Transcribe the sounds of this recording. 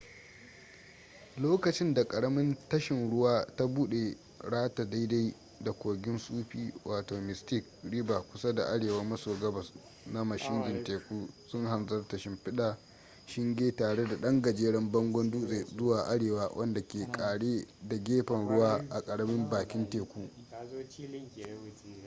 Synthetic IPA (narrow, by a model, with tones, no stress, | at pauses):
loː˦kɐ˨t͡ʃɪ˦nda˨kʼɐ˨ɽɐ˦mɪ˦ntɐ˦ʃɪ˨nɽʊ˦waː˦ta˦buː˦ɗe˨ | ɽaː˦ta˨da˦jda˦j | da˨kʷoː˨ɡʲɪ˦nsʼuː˦ɸiː˦wʔaː˨toː˨mɪ˨stɪ˦˨k̚ɽi˦baː˨kʷʊ˦sa˦da̰˨ʔa˦ɽeː˨wɐ˦mɐ˦soː˨ɡɐ˦bɐ˨s | na˦mɐ˨ʃɪ˦ndɪ˨nteː˨kʷuː˦sʊ˦ŋɦa˨nzɐ˦rtɐ˨ʃɪ˦mɸɪ˦ɗaː˨ | ʃɪ˦ŋɡʲeː˦taː˨ɽe˦da˨ɗɐ˦ŋɡɐ˨d͡ʒeː˦ɽɐ˦mbɐ˦ŋɡʷɔ˦nduː˦zeː˨zʊ˦waː˨ʔa˦ɽeː˨waː˦wʔɐ˦nda˨kʲeː˨kʼaː˨ɽeː˦da˨ɡʲeː˦ɸɐ˨nɽʊ˦waː˦ʔa̰˨kʼɐ˨ɽɐ˦mɪ˦mbaː˨kʲɪ˦nteː˨kʷuː˦